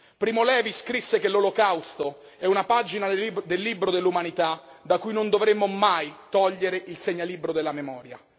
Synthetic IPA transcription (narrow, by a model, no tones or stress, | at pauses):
pɾiːmolɛːviskɾisːekelːolokawst̪o | ɛunapad͡ʒinad̪elːibɾod̪elːumanit̪ad̪akujnond̪ovɾemːomajt̪ɔʎːeɾeʔilseɲːalibɾod̪elːamemɔːɾja̰